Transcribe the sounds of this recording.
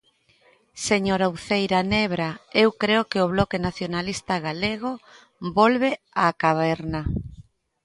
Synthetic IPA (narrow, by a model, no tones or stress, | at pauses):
seɲoɾawθejɾaneβɾaewkɾeokeoβ̞lɔkenaθjonalist̪aɣaleɣ̞o | bolβe | akaβɛɾna